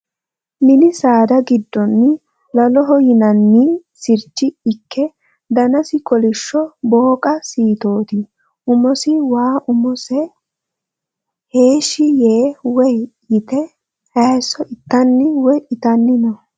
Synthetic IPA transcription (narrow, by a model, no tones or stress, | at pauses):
mɪnɪsaːd̪ɐɡɪd̪ːɔnːɪ | lɐlɔɦɔjɪnɐnːisɪɾt͡ʃːɪɪkʰːɛ | d̪ɐnɐsɪkɔlɪʃːɔboːkʼɐsiːt̪o̞ːt̪i | ʔʊmɔsɪwaːʔʊmɔsɛ | heːʃɪjeːwɛjjɪt̪ɛ | ɐjsːɔʔɪt̪ːɐnːɪwɔjʔɪt̪ɐnːɪnɔ